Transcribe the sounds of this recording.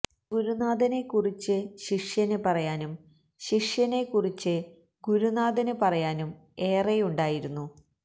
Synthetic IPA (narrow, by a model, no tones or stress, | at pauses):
ɡuɾunaːd̪ɐne̞kːurit͡ɕːɨɕiʂjɐnɨpɐrɐjaːnum | ɕiʂjɐne̞kːurit͡ɕːɨ | ɡuɾunaːd̪ɐnɨpɐrɐjaːnum | e̞ːrejuɳɖaːjiɾunːu